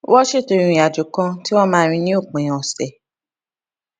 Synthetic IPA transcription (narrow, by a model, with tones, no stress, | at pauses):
wʔɔ˦ʃe˦˨tõ˨˧˨ĩ˨a˨d͡ʒu˨kã˧ti˦wɔ̃˦mãː˦ɾ̃ĩ˧nĩ˦o˦˨k͡pẽ˨j̃ɔ̃˨ɔ˨sɛ˨